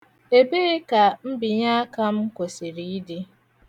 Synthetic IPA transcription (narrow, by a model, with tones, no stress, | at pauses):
e˨be˦e˦ka˨m̩˦bi˨ɲa˦ka˦m̩˦ko˨si˨ɾi˦i˦di˦